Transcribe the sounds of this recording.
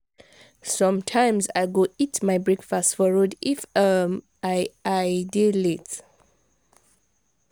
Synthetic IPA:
sɔ̃mtʰãjmza̰jɡoitmajbɹekfastfɔɹodifəm | ajajdilit

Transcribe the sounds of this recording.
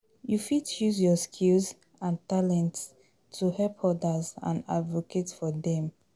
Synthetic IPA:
jufitjuzjɔskʰilz | ãntalɛ̃ntʰː | uhɛlphɔdazã̰na̰dvoketfɔdɛ̃m

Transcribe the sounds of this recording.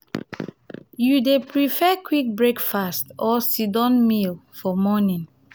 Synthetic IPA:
judepɹifɛkwik̚bɹekfastɔsidɔ̃nmilfɔmɔnĩn

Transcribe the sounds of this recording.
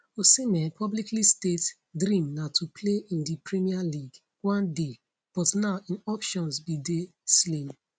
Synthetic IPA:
osinɛpʰɔbliklistet | dɾĩmnatʰupʰleʔĩndipɹɛmialiɡ | wɔ̃nde | b̥ɔtnaʊĩnɔpʃɔ̃nsbide | slĩm

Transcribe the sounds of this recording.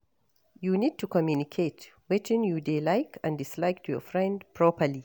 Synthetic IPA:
junid̚tʰukɔmjunikʰetwɛtʰɪ̃njudelajkãndɪslajk̚tʰujɔ̰fɹɛ̃ndpʰɹɔpəli

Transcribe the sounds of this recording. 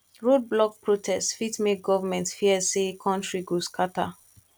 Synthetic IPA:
ɹod̚blɔk̚pʰɹotʰɛstfitmek̚ɡɔvamɛ̃ntfiəsekʰɔ̃ntɹiɡoskʰata

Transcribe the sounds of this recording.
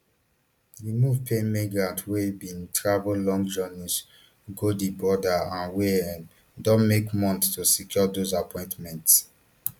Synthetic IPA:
dimuvpʰẽmeɡatʰwebĩntʰɹavllɔ̃ŋɡd͡ʒɔnis | ɡodibɔdaãnweɛ̃n | dɔ̃nmekmɔ̃nttusikʰjɔdozapʰɔ̃ɪ̃ntmɛ̃nts

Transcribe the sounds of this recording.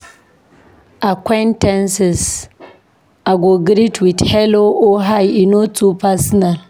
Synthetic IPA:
ʔakʷɛntɛnsɛs | ʔaɡoɡɾitʰwidhɛloʔoɦajinotupasnal

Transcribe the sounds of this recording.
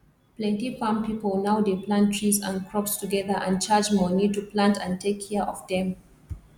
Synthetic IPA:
plɛ̃ntifãmpipəlnaʊdeplãntʰɹizã̰nkʰɹɔpstuɡɛðəʔã̰nt͡ʃad͡ʒmɔːnid̚tuplãntʰãntʰekʰːɛəʔɔvdɛ̃m

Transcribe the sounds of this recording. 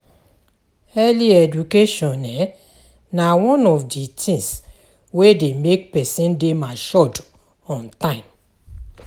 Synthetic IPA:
ɛliɛd͡ʒukeʃɔ̃nɛ | nawɔ̃nɔfditʰĩŋs | wedemek̚pɛsĩndemaʃɔd | ɔ̃ntãɪ̃m

